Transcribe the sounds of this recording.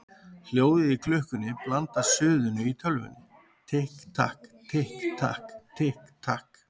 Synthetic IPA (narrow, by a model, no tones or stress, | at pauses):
h̪joːwðɪikʰlʏhkʏnːɪplant̪ḁsʏːðʏnʏit̪ʰœlvʏ̰nːɪ | t̪ʰehkt̪ʰa̰hkt̪ʰehkt̪ʰa̰hkt̪ʰɪhkt̪ʰahk